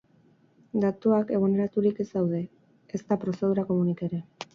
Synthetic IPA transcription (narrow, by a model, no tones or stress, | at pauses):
d̪at̪uake̞ɣ̞oneɾat̪uɾike̞sawðe̞ | est̪apɾo̞se̞ð̞uɾako̞munikaeɾe̞